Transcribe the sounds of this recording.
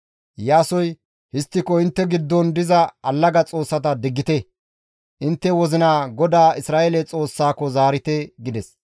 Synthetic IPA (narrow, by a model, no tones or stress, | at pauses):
jaːsɔj | hɪst̪ːɪkɔɪnt̪ːɛɡɪd̪ːɔnd̪ɪzɐɐlːɐɡɐt͡sʼo̞ːsːɐt̪ɐd̪ɪɡːɪt̪ɛ | ʔɪnt̪ːɛwɔzɪnaːɡɔd̪aːɪsɾaːʔelɛt͡sʼo̞ːsːaːkɔzaːɾɪt̪ɛɡɪd̪ɛs